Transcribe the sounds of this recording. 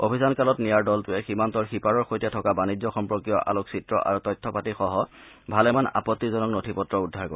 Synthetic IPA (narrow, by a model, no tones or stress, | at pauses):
o̰bʱisankalɔtnijaɹdɔltʊɛximantɔɹxipaɹɔɹxojtɛtʰɔkabanizɔxɔmpɹɔkijɔʔa̰loksitɹɔ̰ʔa̰ɹutɔjtʰːɔpatixɔɦɔ | bʱalɛmana̰pɔtːizɔnɔknotʰipɔtːɹɔudʱːaɹkoɹ